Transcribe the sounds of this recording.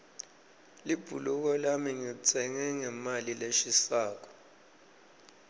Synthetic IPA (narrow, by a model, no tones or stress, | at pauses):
lib̥ʱṵluk̬ɔlamiŋit͡sʰɛŋɛŋɛmalileʃisaːk̬ɔ̥